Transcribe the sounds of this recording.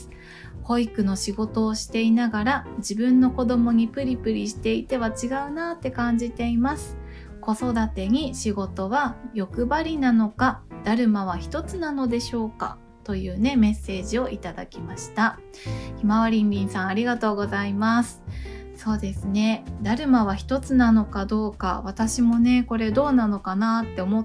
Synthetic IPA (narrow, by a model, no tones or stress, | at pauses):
ho̞ikɯ̟no̞ɕiɡo̞t̪o̞ːɕi̥t̪e̞inaɡaɾad͡ʑibɯ̟̃nːo̞ko̞d̪o̞mo̞ɲ̟ipɯ̟ɾʲipɯ̟ɾʲiɕi̥t̪e̞it̪e̞βat͡ɕiɡaɯ̟nat̪ːe̞kãɲ̟d͡ʑit̪e̞imasɨ̥ | ko̞so̞d̪at̪e̞ɲ̟iɕiɡo̞t̪o̞βajo̞kɯ̟baɾʲinano̞kad̪̥aɾɯ̟maβ̞açi̥t̪o̞t͡sɨnano̞d̪e̞ɕo̞ːka̰ | t̪o̞jɯ̟ːne̞me̞sːe̞ːʑio̞ʔit̪ad̪a̰kʲimaɕi̥t̪a | çimaβaɾʲĩnɾʲĩɰ̃sãɰ̃aɾʲiɡat̪o̞ːɡo̞zaimasɨ̥ | so̞ːd̪e̞sɨne̞d̪aɾɯ̟maβaçi̥t̪o̞t͡sɨnano̞kad̪o̞ːka̰βat̪aɕimo̞ne̞ko̞ɾe̞d̪o̞ːnano̞kanat̪ːe̞omo̞